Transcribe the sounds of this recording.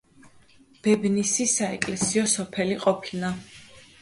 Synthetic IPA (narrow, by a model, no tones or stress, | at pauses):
b̥ɛbnisisaɛkʼlɛsiɔsɔpʰɛliqʼɔpʰina